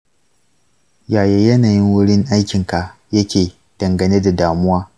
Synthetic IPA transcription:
jaː˨jeː˦jɐ˦naː˨jɪ˦ŋwʊ˦ɽɪ˦ŋʔa˦jkʲɪ˨ŋka˨ | jɐ˦kʲeː˨ | d̥ɐ˨ŋɡɐ˨ne˦da˨daː˨mʊ˦waː˦

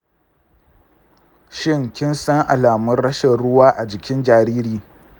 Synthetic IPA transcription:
ʃɪ˦˨ŋkʲɪ˦nsɐ˦ŋʔa˨laː˨mɐ˦nɽɐ˦ʃɛ˨nɽʊ˦waː˦ʔa˨d͡ʒɪ˨kʲɪ˦nd͡ʒaː˨ɾiː˦ɾiː˨

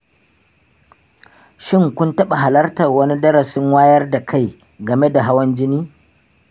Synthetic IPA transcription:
ʃɪ˦ŋkʷʊ˦ntɐ˦ɓa˨ɦa˨lɐ˦rtɐ˨rwɐ˦ni˦dɐ˦ɾɐ˨sɪ˦ŋwaː˦jɐ˦rda˨kʰa˦˨j | ɡɐ˨me˦da˨ɦa˦wɐ˦nd͡ʒɪ˦niː˦

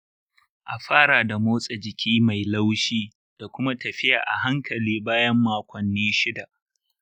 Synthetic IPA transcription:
ʔa˨ɸaː˦ɽa˨da˨moː˦sʼa˨d͡ʒɪ˨kʲʰiː˦ma˨jla˦wʃiː˦ | d̥a˨kʷʊ˦ma˦tɐ˨ɸɪ˦ja̰ː˨ʔa̰˨ɦa˦ŋkʰɐ˨liː˦baː˦jɐ˦mːaː˨kʷɐ˨nːiː˦ʃɪ˦da˨ʔ

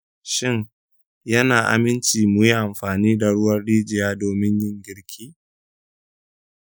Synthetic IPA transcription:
ʃɪ˦ŋ | jɐ˦naː˨ʔa̰˨mɪ˦nt͡ʃiː˨mʊ˨ji˦ʔa˨mɸaː˨niː˦da˨ɽʊ˦wɐ˦rɽiː˦d͡ʒɪ˨jaː˦doː˨mɪ˦ɲjɪ˦ŋɡʲɪ˦ɽkʲʰiː˦

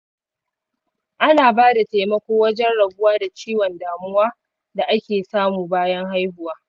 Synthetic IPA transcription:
ʔa˦naː˨baː˦da˨ta˨mɐ˦kʷoː˦wɐ˦d͡ʒɛ˦nɽɐ˨ɡʷʊ˦waː˦da˨t͡ʃiː˦wɔ˨ndaː˨mʊ˦waː˦ | da˨ʔa˦kʲeː˨saː˦muː˨baː˦jɐ˦ŋɦa˦jɸʊ˨waː˦

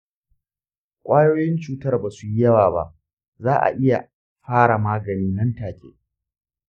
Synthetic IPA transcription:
kʷʼaː˦joː˦jɪ˦nt͡ʃuː˦tɐ˦rbaː˨su˨ji˦jɐ˦waː˨ba̰˦˨ʔ | zaː˦ʔa̰˨ʔɪ˦ja̰˨ | ɸaː˦ɽa˨maː˦ɡɐ˨niː˦nɐ˦ntaː˨kʲḛː˨

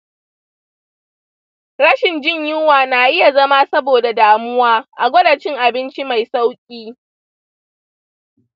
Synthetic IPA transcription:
ɽɐ˦ʃɪ˨nd͡ʒɪ˦ɲjʊ˦waː˨naː˨ʔɪ˦ja˨zɐ˦ma˦sɐ˦boː˨da˨daː˨mʊ˦waː˦ʔa˨ɡʷɐ˦daː˨t͡ʃɪ˦ŋʔa˨bɪ˦nt͡ʃi˦ma˨jsa˦wkʲʼiː˦

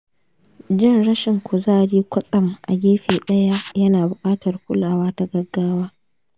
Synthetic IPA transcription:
d͡ʒɪ˦nɽɐ˦ʃɪ˨ŋkʷʊ˨zaː˦˨ɽiː˦kʷɐ˦sʼɐ˨mʔa̰˨ɡʲeː˦ɸeː˨ɗɐ˦ja˦jɐ˦naː˨bʊ˨kʼaː˦tʰɐ˨rkʷʊ˦laː˨waː˦ta˦ɡɐ˦ɡːaː˦waː˦

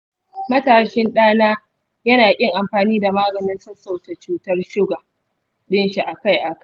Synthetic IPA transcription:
mɐ˦taː˨ʃɪ˦nɗaː˦naː˦ | jɐ˦naː˨kʲʼɪ˦ŋʔa˨mɸaː˨niː˦da˨maː˦ɡɐ˨nɪ˦nsɐ˦sa˦˨wt͡ʃe˨t͡ʃuː˦tɐ˦rʃɪ˦ɡaː˨ | ɗɪ˦nʃi˨ʔa˨ka˦˨jʔa˨k

